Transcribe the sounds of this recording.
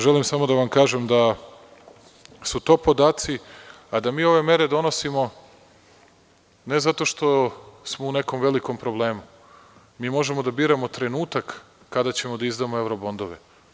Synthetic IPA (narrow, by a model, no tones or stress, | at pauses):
ʒelimsamo̞d̪aʋamkaːʒemd̪a | sut̪o̞ːpo̞d̪aːt̪si | ad̪amiːo̞ʋe̞me̞ɾe̞d̪o̞no̞simo | ne̞zat̪oʃt̪o̞smo̞une̞ko̞mʋe̞likompɾo̞ble̞ːmu | miːmo̞ʒe̞mo̞d̪abiːɾamo̞t̪ɾe̞nuːt̪akː | ad̪at͡ɕe̞mo̞d̪aizd̪amoe̞wɾo̞bo̞nd̪o̞ʋe